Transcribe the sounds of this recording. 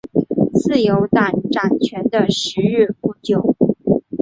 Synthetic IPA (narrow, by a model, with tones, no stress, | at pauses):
t͡sʰɹ̩˥˩jo˧˥ʊt̪a˨˩nʈ͡ʂa˨˩nt͡ɕʰɥɛ˧˥nd̪ə˧ʂɻ̩˧˥ɻ̩˥˩pu˥˩t͡ɕjo˨˩˦ʊ